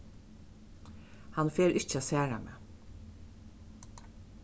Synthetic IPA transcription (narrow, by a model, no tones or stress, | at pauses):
hɑnfeːɾʔɪt͡ʃəaːsæːɾa̰mḛː